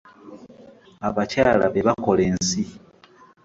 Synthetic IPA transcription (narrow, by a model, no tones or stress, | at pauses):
aβacaːla̰βe̞βako̞le̞ːnsi